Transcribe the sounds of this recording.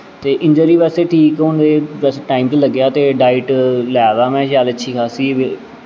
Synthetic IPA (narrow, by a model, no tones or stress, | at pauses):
t̪eːʔɪ̃ɲd͡ʒəɾiːʋɛːseːʈʰiːkɦʊ̃nd̪eːʋɛːseːʈaːɪimt̪eːləɡjaːt̪eːɖaːɪʈlɛːd̪aːmɛ̃ːʃjaːlətːʃʰiːkʰaːsiːʋ